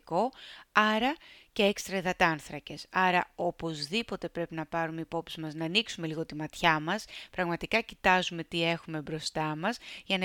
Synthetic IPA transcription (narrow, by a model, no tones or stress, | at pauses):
ko̞ɐɾɐce̞ekst̪ɾɐiðɐt̪ɐnθɾɐce̞sɐɾɐo̞po̞zðipo̞t̪e̞pɾe̞pinɐpɐɾumeipo̞psizmɐznɐːniksume̞liɣot̪imɐt̪çɐmɐspɾɐɣmɐt̪ikɐcit̪ɐzume̞t̪ie̞xume̞bɾo̞st̪ɐmɐsʝɐnɐ